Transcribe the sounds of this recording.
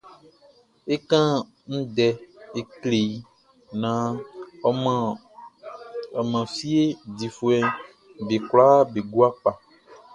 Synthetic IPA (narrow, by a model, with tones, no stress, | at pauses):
e˦kã˦ | ŋ̩̃˦dɛ˦˨e˦˨kle˨ji˦ | nã˨˦˨ | ɔ˨mã˨fi˦e˦di˨fu˨ɛ˨ | be˨kla˦be˨ɡu˦a˦k͡pa˨